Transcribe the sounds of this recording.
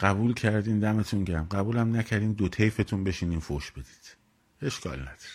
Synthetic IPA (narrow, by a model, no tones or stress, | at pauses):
ɢ̥æbuːlcʰæɾd̪iːnd̪æme̞t̪ʰuncææmɢæbuːlæmnæcʰæɾd̪iːnd̪ot̪ʰejfe̞t̪ʰunbe̞ʃiniːmfoʃb̥e̞d̪̥iːd̪̥ | e̞ʃkɒ̰ːlnæd̪̥ɒ̥ɾe̥